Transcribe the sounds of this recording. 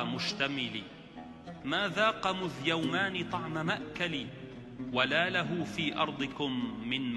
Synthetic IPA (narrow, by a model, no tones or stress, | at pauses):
mʊʃt̪amɪliː | maːðaːqɑmʊðjawmaːnɪt̪ˤɑʕmamaʔkali | walaːlaɦʊːfiːʔɑ̰ɾˤd̪ˤɨkʊmːɪnm